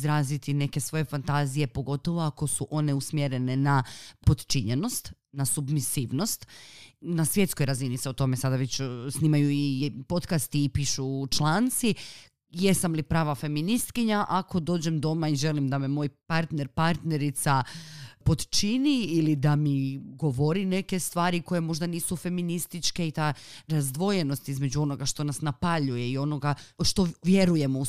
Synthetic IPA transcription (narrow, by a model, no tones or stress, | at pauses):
zɾaːzit̪ine̞ke̞sʋo̞je̞fant̪aːzije̞po̞ɡo̞t̪o̞ʋo̞ako̞suʔo̞ne̞usmjeɾe̞ne̞napo̞d̪t͡ʃiɲeno̞st̪ | nasubmisiːʋno̞st̪nasʋje̞t̪sko̞jɾaziniseot̪o̞me̞sad̪aʋet͡ɕsniːmajuipo̞t̪kast̪iːpiːʃut͡ʃlˠaːnt̪si | je̞samlipɾaːʋafe̞minist̪kiɲaʔakʰo̞d̪o̞ːd͡ʑemd̪omaiʒe̞limd̪amemoːjpaɾt̪ne̞ɾpaɾt̪ne̞ɾit̪sapo̞d̪t͡ʃiniːlid̪amiɡo̞ʋo̞ɾine̞ke̞st̪ʋaːɾiko̞je̞mo̞ʒd̪aniːsufe̞minist̪it͡ʃke̞it̪aːɾazd̪ʋo̞je̞no̞st̪izme̞d͡ʑuo̞no̞ɡaʃt̪o̞nasnapaʎuje̞io̞no̞ɡaʃt̪o̞ʋjeɾuje̞mou